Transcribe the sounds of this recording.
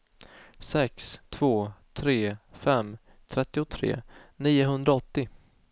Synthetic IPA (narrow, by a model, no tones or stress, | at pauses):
sɛkst̪ʰv̥oːt̪ʰɾeːfɛmː | t̪ʰɾɛt̪ːɪʊt̪ʰɾḛːniːʊɦɵnd̪ɾaɔt̪ːɪ